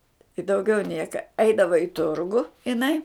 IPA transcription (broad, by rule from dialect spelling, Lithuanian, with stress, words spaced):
ɪ dɐʊˈɡʲɛʊ ˈnʲiɛkɐ ˈɐɪdɐʋɐ ɪ ˈtʊrɡʊ ɪˈnɐɪ